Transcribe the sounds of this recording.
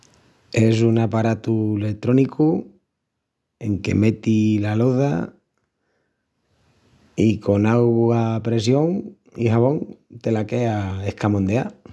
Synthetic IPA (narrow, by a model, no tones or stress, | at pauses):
e̞s̬uŋapaɾat̪ule̞t̪ɾo̞nikʰu | e̞ŋke̞̰me̞t̪ilaloða̰ | iko̞nawɣuapɾe̞sjo̞ŋ | ḭɦaβo̞ŋt̪e̞lake̞ae̞hkamond̪ea